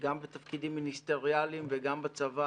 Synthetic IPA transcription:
ɡambet̪afkid̪imːinist̪eʁialimveɡambat͡sava

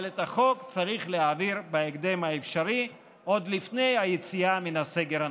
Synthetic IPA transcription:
let̪aχo̞kt͡saʁiχleɦaviɾbeeɡd̪emhaefʃaɾi | o̞d̪lifne̞jhajet͡siaminaseɡeɾa

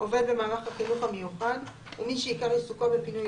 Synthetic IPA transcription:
o̞ve̞dbe̞maːlaχaχinuχamejuχad | umiʃeikaʁlesukobepinuj

